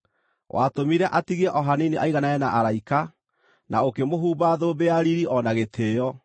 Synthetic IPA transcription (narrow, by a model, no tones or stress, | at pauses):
wʔa̰tomiɾɛʔatiɣɛʔɔɦaniniʔaiɣanaɛnaʔaɾaika | nʔaokemoɦuːbaðoːbeaɾiɾiʔɔnaɣetʰeːjɔ